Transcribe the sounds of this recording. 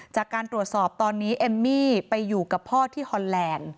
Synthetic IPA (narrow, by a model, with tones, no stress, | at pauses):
t͡ɕaː˨˩kːaː˧nt̪ɾu˨˩ət̪̚sɔː˨˩p̚t̪ɔː˧nːiː˦˥ʔe˧mːiː˥˩pa˧jːuː˨˩ka˨˩pʰɔː˥˩t̪ʰiː˥˩hɔ˧nlɛː˧n